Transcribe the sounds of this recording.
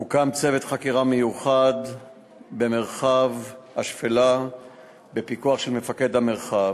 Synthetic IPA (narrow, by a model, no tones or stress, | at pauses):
ukamt͡se̞ve̞t̪χakiʁame̞juχad̪ | be̞me̞ʁχavhaʃfela | be̞pikuaχʃe̞lme̞fake̞d̪hame̞ʁχa